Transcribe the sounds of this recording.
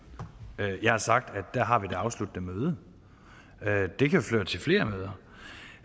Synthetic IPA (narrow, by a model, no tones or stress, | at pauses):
øjɑ̈ɪhɑ̈sɑ̈ɡ̥̚d̥æd̥ːæɐɦɑ̈ʋid̥eɑ̈ʊslud̥nəmøːð̞ˠə | ød̥e̝kʰæoflø̰ːɐt͡sʰe̝lfle̝ːɐmøːð̞ˠɐ